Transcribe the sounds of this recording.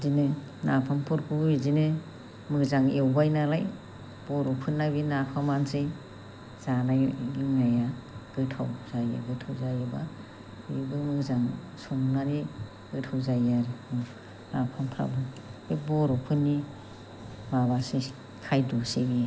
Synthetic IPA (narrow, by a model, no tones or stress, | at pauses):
dinɯ | napʰampʰuɾkʰuizinɯ | mɯkzaŋewbajnalaj | b̥ɔɾɔpʰɯnːajbinapʰamansɯj | z̥anajɡiŋnajaɡ̥ɯtʰawzaja̰ɡɯtʰawzajaba | iɡɯmɯzaŋ | suŋnaɾi | ɡ̥ɯtʰawzajaɾi | napʰampʰɾa̰bɯ | ebɔɾɔpʰɯnːi | baβasi | kʰajdusee